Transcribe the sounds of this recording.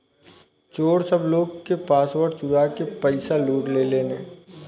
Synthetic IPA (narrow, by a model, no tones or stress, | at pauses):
t͡ʃoːɽsɐbloːɡkepaːsʋəɾɖt͡ʃʊɾakepəɪsaluːʈleːleːneː